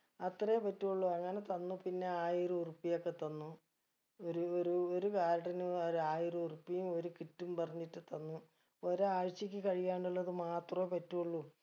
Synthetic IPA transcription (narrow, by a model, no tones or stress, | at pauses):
ɐt̪rɐjepɐtːuuɭːuɐŋːɐne̞t̪ɐnːupinːe̞aːjirɨurupːijokːe̞t̪ɐnːu | oɾuoɾuoɾukaːɾɐɽinuɐɾaːjiruurupːijumo̞ɾukiʈːumpɐrɐɲːiʈːɨt̪ɐnːu | oɾuaːɻt͡ɕːikʲːɨkɐɻijaːɳɖiɭːɐðɨmaːt̪rɐepɐtːuuɭːu